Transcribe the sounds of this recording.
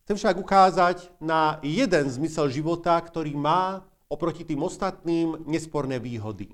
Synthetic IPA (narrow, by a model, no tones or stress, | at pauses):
xt͡sɛmfʃaɡukaːzaɟnajɛd̪ɛnzmisɛlʒiʋɔt̪akt̪ɔɾiːmaː | ɔpɾɔcit̪iːmɔst̪at̪̚niːmɲɛspɔɾnɛːʋiːɦɔd̪ḭ